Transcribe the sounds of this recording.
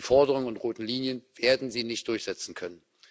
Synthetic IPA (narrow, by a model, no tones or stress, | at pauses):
fɔɐdəʁ̞ʊŋənʊntʁoːtn̩liːnjənv̥eːɐdn̩ziːnɪçt̚d̥ʊɐçz̥ɛt͡sn̩kʰœnən